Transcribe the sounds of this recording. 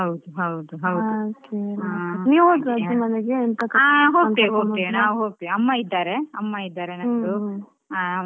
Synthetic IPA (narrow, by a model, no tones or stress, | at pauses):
ɦɐwd̪uɦɐwd̪uɦɐwd̪okeaniːʋɦoɡɐdimɐneɡeent̪ɐkɐaːɦoːt̪iɦoːɡt̪inaːʋuɦoːɡ̚t̪iɐmːaid̪ːaːɾeɐmːaid̪ːaːɾenɐu | aː